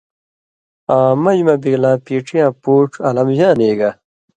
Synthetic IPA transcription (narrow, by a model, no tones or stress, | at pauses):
aːmɐd͡ʑmɐbiɡlãːpiːʈ͡ʂʰijãːpuːʈ͡ʂʰɐlɐmʑaːneːɡa